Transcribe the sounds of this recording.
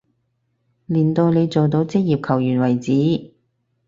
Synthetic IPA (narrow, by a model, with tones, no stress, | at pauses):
liː˨˩nt̪o˧wne˨˧jt͡so˨wt̪o˨˧wt͡sɪ˥k̚jiː˨p̚kʰɐ˨˩wjyː˨˩nwɐ˨˩jt͡siː˨˥